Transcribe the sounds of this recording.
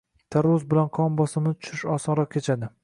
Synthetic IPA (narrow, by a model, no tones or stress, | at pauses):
t̪ʰaɾʊzbɪlanqʰɒmbɒsɪmnɪt̪ʰʊ̥ʃɪʃɒsɒɾɒq̚kʲʰet͡ʃʰad̪ɪ